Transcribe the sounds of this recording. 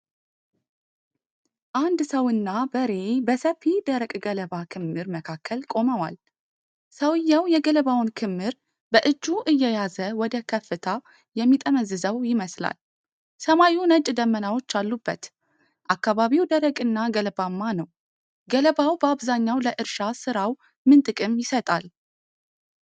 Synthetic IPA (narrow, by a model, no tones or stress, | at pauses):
ʔand̪səwɨnːabəɾe̞bəsəfid̪əɾəkʼɡələβakʰɨmːɨɾməkʰakʰːəlkʼo̞məwa̰l | səwɨjːawjɛɡələβawnkʰɨmːɨɾ | bəʔɨd͡ʒːuʔɨjːɛjazəwɔd̪əkʰəfːɨt̪ʰa | jɛmːit̪ʼəməzɨzəwjɪməsla̰l | səmajunət͡ʃʼd̪əmːənawo̞t͡ʃːalːubːət̪ | ʔakːaβaβiwd̪əɾəkʼɨnːaɡələbamːanəw | ɡələβawbəaβzaɲːawləʔɨɾʃasɨɾaw | mɨnt̪ʼɨkʼɨmjɪsət̪ʼa̰l